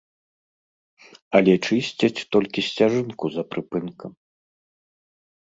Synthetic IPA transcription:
ɐlʲɛt͡ʂɨsʲt͡sʲɐt͡sʲt̪ɔlʲkʲisʲt͡sʲaʐɨnkuzɐpɾɨpɨnkʰɐm

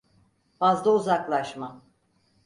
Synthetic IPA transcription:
fazlˠauzaklˠaʃma

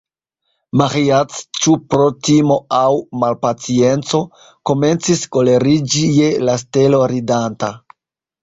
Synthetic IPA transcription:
maχiat͡st͡ʃupɾotimo̞awmalpat͡sie̞nt͡so̞ | ko̞me̞nt͡sisko̞le̞ɾid͡ʒijelas̬te̞lo̞ɾidanta

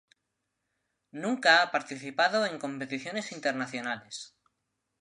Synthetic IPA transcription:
nũŋkaapaɾt̪iθipaðoe̞ŋkõ̞mpe̞t̪iθjo̞ne̞sint̪eɾnaθjonales

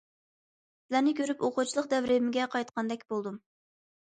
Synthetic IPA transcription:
sɪlænɪkʲʰøɾypoqʊt͡ʃʰilˠəqd̪ɛvɾɪmɪɡʲɛqʰɑjt̪qʰɑnd̪ɛkʲbolˠd̪um

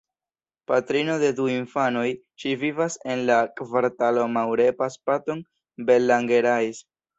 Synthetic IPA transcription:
patɾino̞de̞duiɱfano̞j | ʃivivase̞nlakvaɾtalo̞mawɾe̞paspato̞n | be̞lːaŋɡe̞ɾajs

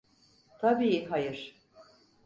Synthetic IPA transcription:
t̪ʰabiːɦajɯɾ̥

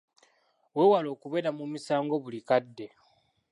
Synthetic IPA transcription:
we̞walo̞ːkuβe̞ːɾamumisaːŋɡo̞βulikadːe̞

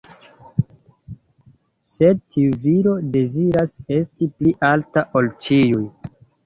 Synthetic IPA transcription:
se̞d̚tʰiuviɾo̞de̞ziɾase̞stipliʔaltaʔo̞lt͡ʃiuj

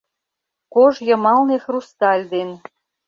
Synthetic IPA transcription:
koʒjɤ̆mɑlnexrust̪ɑlʲd̪en

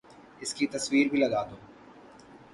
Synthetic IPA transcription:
ɪskit̪ɐswiːɾbʱilɐɡaːd̪õː

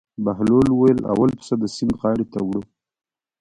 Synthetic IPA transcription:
baɦlolwajəla̰walpsad̪əsiŋɡɣɑɽet̪awɽə

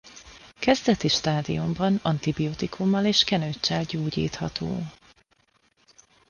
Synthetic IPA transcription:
kɛzd̪ɛt̪iʃt̪aːd̪ḭumbɒnɒnt̪ibioːt̪ikʰumːɒleːʃkɛnøːt͡ʃːɛlɟoːɟḭːt̪hɒt̪o̰ː

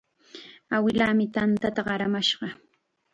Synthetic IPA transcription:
awɪlaːmɪt̪ant̪at̪aɢɑɾamaʃɢɑ

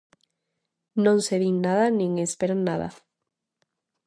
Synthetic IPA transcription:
nõŋseðiŋnaðanĩŋespeɾannaða̰

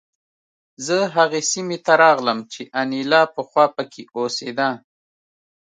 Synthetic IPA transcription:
zəɦaɣesimet̪aɾɑɣləmt͡ʃeʔanilɑpəxwɑpəkʰeosed̪a

